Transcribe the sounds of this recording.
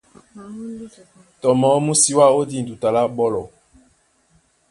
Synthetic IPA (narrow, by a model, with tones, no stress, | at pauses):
tɔ˨mɔ˨˦mu˦si˦wa˦o˦di˦˨n̩˨du˨ta˨la˦ɓɔ˦lɔ˨